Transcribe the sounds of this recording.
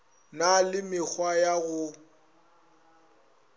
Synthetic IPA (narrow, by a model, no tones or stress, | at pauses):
nalɪmɪk͡xwajaɣʊ